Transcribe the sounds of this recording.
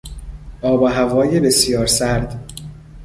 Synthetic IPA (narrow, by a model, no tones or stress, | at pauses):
ʔɒːbɒɦævɒːjebe̞sjɒːɾsæɾd̪